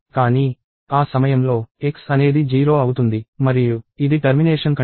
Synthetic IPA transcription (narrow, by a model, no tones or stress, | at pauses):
kaːniː | aːsɐmɐjɐmlo̞ːeksɐne̞ːd̪id͡ʒiːɾo̞ːɐwut̪und̪imɐɾijuid̪iʈɐɾmineːʂɐnkɐ